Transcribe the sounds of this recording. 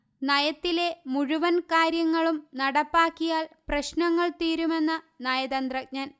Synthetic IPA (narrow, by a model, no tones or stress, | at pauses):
nɐjɐt̪ːile̞muɻuʋɐnkaːɾjɐŋːɐɭumnɐɽɐpːaːkːijaːlprɐɕnɐŋːɐɭt̪iːɾume̞nːɐ | nɐjɐðɐnd̪rɐk̚ɲɐn